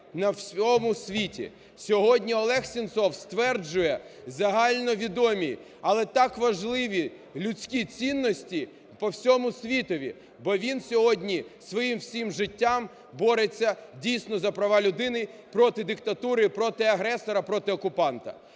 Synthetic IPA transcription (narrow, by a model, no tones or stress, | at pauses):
nɐwsʲɔmʊsʲʋʲitʲḭ | sʲɔɦɔdʲnʲiɔlˠɛxsʲint̪sɔwst̪ʋɛrd͡ʒʊjɛzɐɦɑlʲnɔʋʲid̪ɔmʲi | ɐlˠɛt̪ɑkʋɐʒlˠɪʋʲi | lʲʊt͡sʲkʲit͡sʲinːɔsʲtʲi | pɔwsʲɔmʊsʲʋʲit̪ɔʋʲḭ | bɔʋʲinsʲɔɦɔdʲnʲisʋɔjimwsʲimʒɪtʲːam | bɔɾet͡sʲːɐdʲijsʲnɔzɐpɾɐʋɑlʲʊd̪ɪnɪpɾɔt̪ɪd̪ɪkt̪ɐt̪uɾɪipɾɔt̪ɪɐɦɾɛsɔɾɐpɾɔt̪ɪɔkʊpɑnt̪ɐ̰